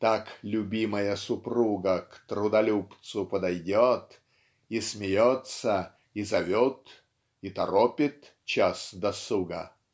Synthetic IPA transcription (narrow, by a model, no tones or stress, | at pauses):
t̪aklʲʊbʲiməjəsʊpruɡəkt̪ɾʊd̪ɐlʲupt̪sʊpəd̪ɐjdʲot̪ | ismʲɪjot̪sə | izɐvʲɔt̪ | it̪ɐɾopʲɪt̪ | t͡ɕasd̪ɐsuɡə